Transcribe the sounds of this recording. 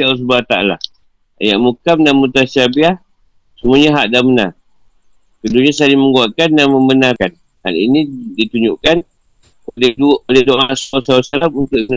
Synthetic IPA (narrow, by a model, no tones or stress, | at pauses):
as̬ubat̪aa̰la̰ | a̰jaʔmukamdanmut̪asabiah | səmuaɲaɦaʔdamənar | kəduɲasaliməŋɡuaʔkandanməmbənarkan | ha̰lḭnidit̪uɲd͡ʒuʔkan | oleuoleduaʔaʔsawasaasalamunt̪ʊʔ